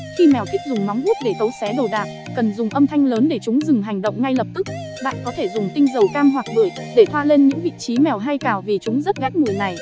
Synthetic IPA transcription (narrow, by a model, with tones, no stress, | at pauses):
xi˧mɛ˨˩wk̪ï˦˥k̚zʊ˨˩ŋ͡mma˨˦wŋ͡mʔu˦˥t̚ɗe˧˩t̪ə˨˦wsɛ˨˦ɗə˨˩wɗaː˨˩p̚ | kə˨˩nzʊ˨˩ŋ͡mʔə˧mt̪ʰa˧jŋ̟ləː˨˦nɗe˧˩t͡ɕʊ˨˦ŋ͡mzɨ˨˩ŋ͡mɦa˨˩jŋ̟ɗə̰˧˨wŋ͡mŋa˧jlə˨˩p̚t̪ɨ˦˥k̚ɓa̰ː˧˨nkɔ˨˦t̪ʰe˧˩zʊ˨˩ŋ͡mt̪ï˧ŋ̟zə˨˩wkaː˧mɦwaː˨˩k̚ɓɨː˧˩əjɗe˧˩t̪ʰwa̰ː˧le˧nɲɨ̰˧˥ŋvḭ˧˨t͡ɕi˨˦mɛ˨˩wɦa˧jkaː˧˩wvi˨˩t͡ɕʊ˨˦ŋ͡mzə˦˥t̚ɣɛ˦˥t̚mɨ˨˩əjna˨˩j